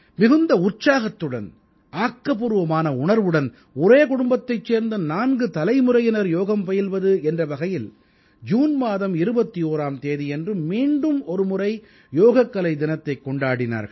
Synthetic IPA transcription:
mɪɣɯnd̪ɐʊrt͡ʃaːɣɐt̪ːɯɽɐ̰n | ʔaːkːɐpʊɾɯʋɐmaːnɐʊɳɐɾʋɯɽɐn | ɔɾeːkʊɽʊmbɐt̪ːɐɪt͡ʃːeːɾnd̪ɐnaːnɡɯt̪ɐlɐɪmɯɾɐjɪnɐɾjoːɣɐmpɐjɪlʋɐðɯɛndrɐʋɐɣɐjɪl | d͡ʒuːnmaːðɐmɪɾɯbɐt̪ːioːɾaːmt̪eːðiɛndrɯmiːɳɖɯmɔɾɯmʊɾɐɪ | joːɣɐkːɐlɐɪd̪ɪnɐt̪ːɐɪkːɔɳɖaːɽɪna̰ːɾɣɐɭ

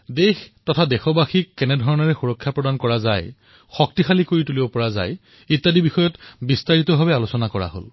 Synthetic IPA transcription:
dextɔtʰadɛxɔbaxikːɛnɛdʱɔɹɔnɔɹɛxuɹɔkʰːjapɹɔdankɔɹazaj | xɔk̚tixalikoɹitulibɔpɔɹaza̰j | itːadibixɔjɔtbistaɹitɔbʱabɛalosɔnakɔɹa̰ɦo̰l

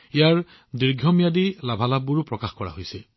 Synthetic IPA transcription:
ijaɹ | diɹɡʱjɔmijadilabʱalabuɹpɹɔkaxkɔɹa̰ɦojsɛ

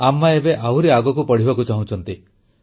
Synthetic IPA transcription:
amːaebeʔawɾiaɡɔkupɔɽ̤ibakut͡ʃaɦũt͡ʃʰɔnt̪i

